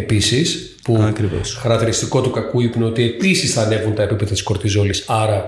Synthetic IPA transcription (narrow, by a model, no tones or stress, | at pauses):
e̞pisis | puɐkɾivo̰sxɐɾɐkt̪iɾist̪iko̞t̪ukɐkuipneo̞t̪ie̞pisisθɐne̞vunt̪ɐepipe̞ðɐt̪i̥sko̞ɾt̪izo̞lisɐɾɐ